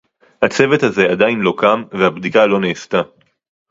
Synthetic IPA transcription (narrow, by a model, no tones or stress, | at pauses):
hat͡se̞vet̪haze̞ad̪ainlo̞kamvehabd̪ikalo̞neːst̪a